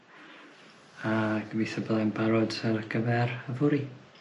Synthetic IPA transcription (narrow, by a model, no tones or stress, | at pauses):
aɡ̥əviθəbəðanbaɾɔdərɡ̥əvɛrəvʊɾi